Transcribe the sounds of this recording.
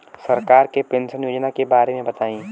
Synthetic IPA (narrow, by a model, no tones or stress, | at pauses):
sɐɾkaːɾkepẽːnʃənjoːd͡ʒnakebaːɾemẽbɐt̪aːĩː